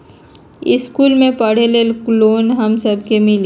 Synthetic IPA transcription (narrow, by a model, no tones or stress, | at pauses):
ɪ̰skuːlmẽpɐɽ̤elelkloːnɦɐmsɐbʱkemɪli